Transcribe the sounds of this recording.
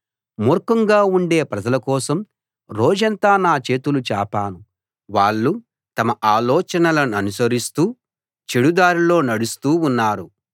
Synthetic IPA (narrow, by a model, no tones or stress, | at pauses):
mɔɾkɐŋɡaːuɳɖeːpɾɐd͡ʒɐlɐkɔːsɐm | ɾoːd͡ʒɐnt̪aːnaːt͡ʃe̞ːt̪ulut͡ʃa̰ːpaːnu | ʋaːɭːu | t̪ɐmɐʔaːlɔːt͡ʃɐnɐlɐnɐnusɐɾist̪uː | t͡ʃeɽud̪aːɾilo̞ːnɐɽust̪uːunːaːɾu